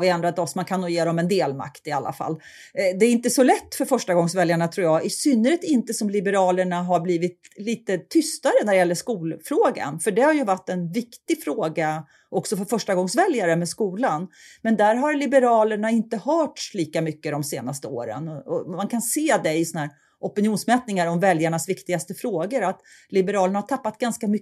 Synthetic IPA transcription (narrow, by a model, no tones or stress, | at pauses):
vɪɛnd̪ɾad̪ɔsmankʰanːuːjeːɾɔmɛnd̪eːlma̰kt̪ɪalːa̰fa̰lː | d̪ɛːɾɪnt̪əsɔlɛt̪ːfœɾfœʂʈaɡɔŋsvɛljaɳat̪ʰɾuːjɑːɛsʏnːəɾɪt̪ɪnt̪əsɔmlɪbəɾɑːləɳaɦaɾbliːvɪt̪liːt̪ət̪ʰʏst̪aɾənæɾɛjɛlːəʂkuːlfɾoːɡa̰nfœɖɛhaɾjɵvaʈːɛnvɪkt̪ɪɡfɾoːɡa | ʔɔksɔfœɾfœʂʈaɡɔŋsvɛljaɾəmɛskuːlanmɛnd̪æɾɦaɾlɪbəɾɑːləɳaɪnt̪əhœːʈʂliːkamʏkːəd̪ɔmseːnast̪əo̰ːɾə̰nɔɔmankʰanseːd̪ɛɪsɔnhæːɾ | ʔɔpɪnjuːnsmɛːt̪nɪŋaɾɔmvɛljaɳasvɪkt̪ɪɡast̪əfɾoːɡəɾat̪ | lɪbəɾɑːləɳahaʈtʰapːat̪̚ɡanskamʏ